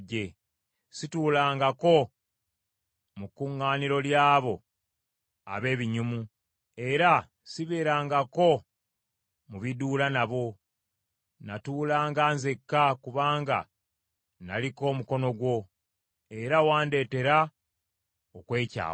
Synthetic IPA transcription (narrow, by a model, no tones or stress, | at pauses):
ɟe̞ | situːlaːŋɡako̞ | mukːuŋːaːniɾo̞ljaːβo̞ | a̰βe̞ːβiɲumu | e̞ɾa | siβeːɾaːŋɡako̞ | muβiduːlanaβo̞ | natuːlaːŋɡaːnzekːakuβaːŋɡa̰ | na̰liko̞ːmuko̞no̞ɡwo̞ | e̞ɾawaːnde̞ːte̞ɾa | okwe̞ːca̰ː